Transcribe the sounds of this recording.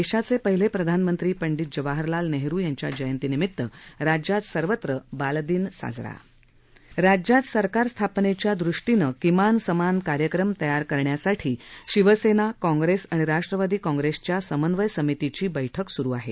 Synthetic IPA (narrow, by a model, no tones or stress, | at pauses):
eɕat͡sepəɦilepɾəd̪ʱanmənt̪ɾiːpəɳɖit̪̚d͡ʑəʋaɦəɾlalneɦɾuːjaɲt͡ɕja̰d͡ʑəjənt̪iːnimit̪ːəɾad͡ʑjat̪səɾʋət̪ɾəbald̪iːnsa̰d͡zɾa̰ | ɾad͡ʑjat̪səɾkaɾst̪ʰapnet͡ɕjad̪ɾuʂʈinəkimansəmankaɾjəkɾəmt̪əjaɾkəɾɳjasaʈʰiːɕiʋəsenakɔ̃ŋɡɾesaɽ̃iɾaʂʈɾəʋad̪ʱiːkɔ̃ŋɡɾest͡ɕjasəmənʋəjsəmit̪it͡ɕiːbəjʈʰəksuɾuːaɦe